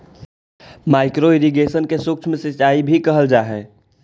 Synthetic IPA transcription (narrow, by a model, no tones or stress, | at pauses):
maːɪkɾoɪɾiɡesənkesʊkt͡ʃʰmẽsɪt͡ʃaːibʱikəɦəld͡ʒaːɦɛː